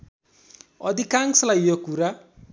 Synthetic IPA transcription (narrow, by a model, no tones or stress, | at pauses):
ɔd̪ikaŋslajjokuɾa